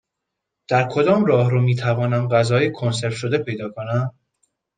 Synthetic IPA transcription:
d̪̥æɾkʰo̞d̪ɒːmrɒːhɾomiːt̪ʰævɒːnæmɢæzɒːjekʰonse̞ɾt̪ʃod̪e̞pʰe̞jd̪ɒːkʰonæm

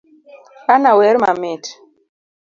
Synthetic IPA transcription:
anawɛɾmamit

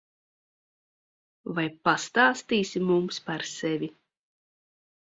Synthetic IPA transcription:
vajpast̪aːst̪iːsimumspaɾsevʲi

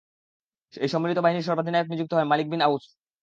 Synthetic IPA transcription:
ejʃɔmːilit̪obaɦiniɾʃɔɾbad̪ʱinaeoknid͡ʑuk̚t̪oɦɔemalik̚binaus

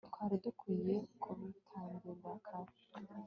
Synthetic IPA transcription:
tkwaːɾidukwiːje̞kʰuβitʰaːnduβakʰa

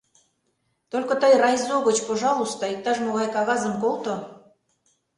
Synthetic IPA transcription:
t̪olʲkŏt̪əjrɑjzoɣə̆t͡ɕpoʒɑlˠust̪ɑik̚t̪ɑʃmoɣɑjkɑɣɑzə̆mkolˠt̪o

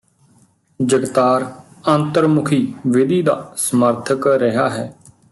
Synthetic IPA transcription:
d͡ʒəɡt̪aːɾ | ə̃nt̪əɾmʊkʰiːʋɪd̪iːd̪a̰ːsəməɾt̪ʰəkɾəɦaːɦɛː

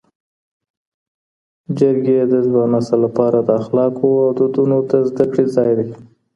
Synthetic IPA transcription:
d͡ʒəɾɡed̪əzbanasalːapɑɾad̪əaxlɑkʰoawd̪əd̪unot̪azd̪akɽezɑjd̪a

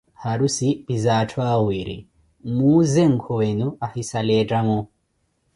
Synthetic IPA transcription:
haɾusib̥izatʰwawiɾḭ | muːzɛŋ̩kʰɔwenuahisalɛdamu

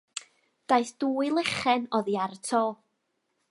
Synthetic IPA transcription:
d̥ajθd̥uːɨlˠɛχɛnɔðiartʰɔː

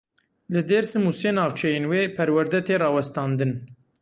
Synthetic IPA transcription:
lɨd̪eːɾsɨmusenɑːvt͡ʃʰɛjeːnweːpʰɛɾwæɾd̪ɛt̪ʰeːrɑːwɛst̪ɑːnd̪ɨn

